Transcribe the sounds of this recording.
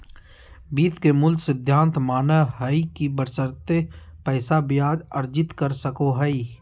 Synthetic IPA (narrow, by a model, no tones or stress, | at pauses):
biːt̪kemʊlsɪd̪ʱːãːnt̪maːnəɦɐikibəɾsəɾt̪epɛːsabɪjaːd̪ɐɾd͡ʒɪt̪kɐɾsɐkoɦɐi